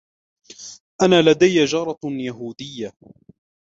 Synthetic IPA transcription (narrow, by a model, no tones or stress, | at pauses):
ʔanaːlad̪ajːad͡ʒɑɾˤɑjaɦuːd̪ɪjːa